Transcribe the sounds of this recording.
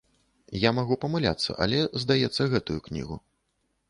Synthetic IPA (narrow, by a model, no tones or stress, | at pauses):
jamaɣupɐmɨlʲa̰t̪sːɐ̰ʔɐ̰lʲɛzd̪ajɛt̪sːɐɣɛt̪ujuknʲḭɣu